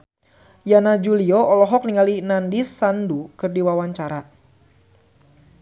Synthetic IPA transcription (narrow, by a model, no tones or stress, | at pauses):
janad͡ʒuliɔɔlɔɦɔk̚niŋalinandisːandukɨrdiwawaɲt͡ʃaɾa